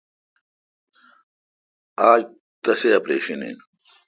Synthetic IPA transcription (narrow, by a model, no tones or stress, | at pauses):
aːd͡ʑ | t̪ɐseɐpɾeːɕɐnḭn